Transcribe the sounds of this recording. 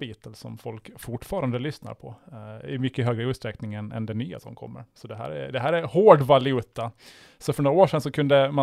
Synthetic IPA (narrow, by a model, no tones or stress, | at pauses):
biːt̪əlsɔ̰mfɔlkfʊʈfɑːɾand̪əlʏsna̰ɾpʰɔɪ̰mʏkːəɦøːɡɾəʉːt̪st̪ɾɛknɪŋɛnɛ̰nd̪ɛnyːa̰sɔ̰mkʰɔ̰mːə̰ɾsɔd̪ɛɦæ̰ːɾɛ̰d̪ɛɦæːɾæɾhoːɖvalɪʉːt̪ːa | sɔfœɳoːɾaoːʂɛnsɔkʰɵnd̪əma